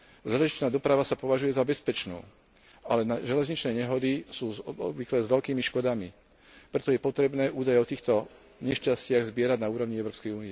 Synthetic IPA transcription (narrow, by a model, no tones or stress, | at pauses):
zaːlɛʒit͡ʃnaːd̪ɔpɾaʋasapɔʋaʒujɛzabɛspɛt͡ʃnṵː | alɛnaʒɛlɛzɲit͡ʃnɛːɲɛɦɔd̪isuːɔɔ̰bʋiklɛzʋɛlkiːmiʃkɔd̪ami | pɾɛt̪ɔjɛpɔt̪ɾɛbnɛːʔuːd̪ajɛɔt̪iːxt̪ɔ | ɲɛʃcascɪaɣzbɪɛɾaɟnauːɾɔʋɲiɛʊɾɔːpskɛjuːnijɛ